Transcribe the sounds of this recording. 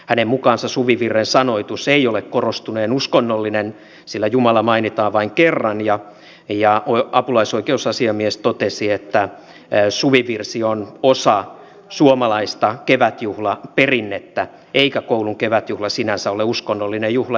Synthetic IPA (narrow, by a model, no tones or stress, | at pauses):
hænemmukɑːnsɑsuʋiʋirːensɑnoit̪useiolekkorost̪uneːnuskonːolːinen | silːæjumɑlɑmɑinit̪ɑːʋʋɑiŋkerːɑnjɑ | jɑʔoɑpulɑisoikeusɑsiɑmiest̪ot̪esiet̪ːæ | suʋiʋirsionosɑ | suomɑlɑist̪ɑkeʋæt̪juhlɑperinːet̪ːæ | eikækouluŋkeʋæt̪juhlɑsinænsæoleuskonːolːinejjuhlɑ